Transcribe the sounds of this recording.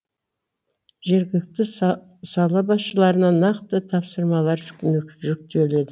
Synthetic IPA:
ʒeɾɡʲɪlɪk̚t̪ɪ | sɑlˠɑbɑsʃəlˠɑɾənɑnɑqt̪ət̪ʰɑpsəɾmɑlˠɑɾʒʏ̥kʲɪnɪkʒʏk̚t̪e̞le̞d̪ɪ

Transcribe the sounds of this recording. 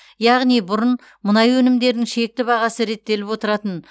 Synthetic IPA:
jɑʁnijbʊɾən | mənɑjwɵnɪmd̪e̞ɾd̪ɪŋʃe̞k̚t̪ɪbɑʁɑsəɾe̞t̪ːe̞lɪpwo̞t̪əɾɑt̪ən

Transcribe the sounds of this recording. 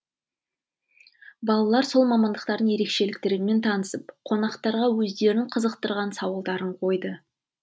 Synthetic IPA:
bɑlˠɑlˠɑɾso̞lˠmɑmɑnd̪əqt̪ɑɾd̪əŋje̞ɾe̞kʃe̞lɪk̚t̪ɪɾɪme̞nt̪ʰɑnəsəpqʰo̞nɑqt̪ɑɾʁɑwɵzd̪e̞ɾɪɴqʰəzəqt̪əɾʁɑnsɑwəlˠd̪ɑɾəɴqʰo̞jd̪ə

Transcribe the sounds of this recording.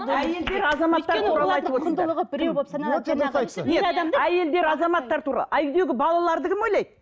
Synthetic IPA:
æje̞ld̪e̞ɾɑzɑmɑt̪ːɑɾt̪uɾɑlˠɑɑjt̪əbot̪ɾɾˠəʁəbɪɾebosnosɑjt̪sneɑæje̞ld̪e̞ɾɑzɑmɑt̪ːɑɾt̪ʰuɾɑ̰lˠæjd̪eɡʲɪbɑlˠɑlˠɑɾd̪əkʲʰɪmojlˠɑjd̪

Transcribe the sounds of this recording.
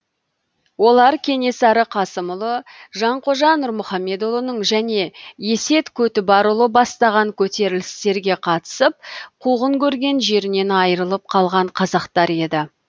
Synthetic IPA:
wo̞lˠɑɾkʲʰe̞ne̞sɑɾəqʰɑsəmʊlˠəʒɑɴqʰoʒɑnːʊɾmʊχɑmːe̞d̪olˠənəɴʒæne̞je̞se̞t̪kʲʰɵt̪ɪpɑɾulˠəbɑst̪ɑʁɑŋkʲʰɵt̪e̞ɾɪlɪst̪e̞ɾɡʲe̞qʰɑt̪ə̥səp̚qʰuʁəŋkʲʰɵɾɡʲe̞nʒe̞ɾɪne̞nɑjəɾəlˠəp̚qʰɑlˠʁɑɴqʰɑzɑqt̪ɑɾe̞d̪ɪ

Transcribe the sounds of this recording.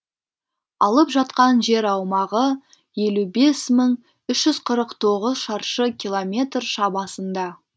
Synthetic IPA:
ɑlˠəpʒɑt̪qɑnʒe̞ɾɑwmɑʁə | je̞lube̞sməɴ | ʏʃʒ̥ʏzqʰəɾəqt̪ʰo̞ʁəzʃɑɾʃəkʲʰilˠomʲe̞t̪rʃɑbɑsənd̪ɑ

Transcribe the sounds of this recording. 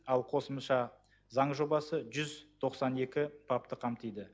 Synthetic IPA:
ɑlˠqʰo̞səmʃɑ | zɑɴʒo̞bɑsəʒʏzt̪ʰo̞qsɑne̞kʲɪpʰap̚t̪əqʰɑmt̪əjd̪ə

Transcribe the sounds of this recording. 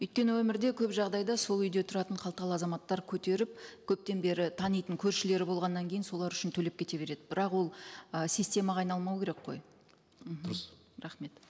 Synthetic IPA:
ɵjt̪̚kʲe̞nɪwɵmɪɾd̪e̞kʲʰɵpʒɑʁd̪ɑjd̪ɑso̞lˠʏjd̪e̞t̪ʰʊɾɑt̪əɴqʰɑlˠt̪əʁɑlˠəɑzɑmɑt̪ːɑɾkʲʰɵt̪e̞ɾɪp̚kʲʰɵp̚t̪e̞nbe̞ɾɪt̪ʰɑnijt̪əŋkʲʰɵɾʃɪle̞ɾɪbo̞lˠʁɑnːɑŋkʲʰe̞jɪnso̞lˠɑɾʏʃɪnt̪ʰɵle̞p̚kʲʰe̞t̪e̞be̞ɾe̞d̪ɪbɪɾɑqwo̞lˠəsijsʲt̪ʲe̞mɑʁɑjnɑlˠmɑwkʲe̞ɾekqo̞̰j | m̩ɦ | ɾɑχme̞t̪

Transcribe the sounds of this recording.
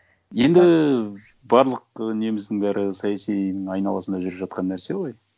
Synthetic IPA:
je̞nd̪ɪ | bɑɾlˠəq̚ʏne̞mɪzd̪ɪŋbæɾʔɪsɑjɑsinɪŋɑjnɑ̰lˠɑsənd̪ɑʒʏɾɪpʒɑt̪̚qɑnːæɾse̞woj

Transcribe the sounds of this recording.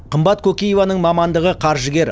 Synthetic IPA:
qʰəmbɑt̪kʰɵkʲejevɑnəɴmɑmɑnd̪əʁəqʰɑɾʒəɡʲe̞ɾ

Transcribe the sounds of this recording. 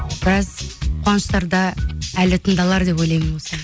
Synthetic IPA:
b̥ɪɾɑzqʰwɑnəʃt̪ɑɾd̪ɑælɪt̪ʰənd̪ɑlˠɑɾd̪e̞pojlˠɑjmɪnbo̞lˠsɑ

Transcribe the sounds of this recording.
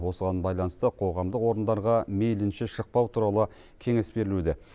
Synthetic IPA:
wo̞səʁɑnbɑjlˠɑnəst̪əqʰo̞ʁɑmd̪əqwo̞ɾənd̪ɑɾʁɑmejlɪnʃeʃəq̚pɑwt̪ʰuɾɑlˠə | kʲʰe̞ŋe̞sbe̞ɾɪlud̪ɪ

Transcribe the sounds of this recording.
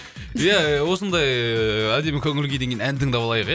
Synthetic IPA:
jæwo̞sənd̪ɑjæd̪e̞mɪkʲʰɵŋɪlɡʲed̪e̞ŋɡʲenænd̪ɪŋd̪ɑblˠɑjəqj

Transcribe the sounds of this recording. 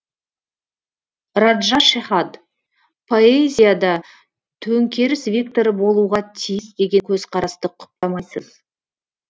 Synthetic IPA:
rad̪ʒɑʃeχɑd̪ | pʰo̞ezʲijad̪ɑ | t̪ʰɵŋkʲʰe̞ɾɪsvʲikt̪o̞ɾəbo̞lˠuʁɑt̪ʰijɪsd̪e̞ɡʲe̞kʲʰɵzqʰɑɾɑst̪əqʰʊ̥p̚t̪ɑmɑjsə̰z

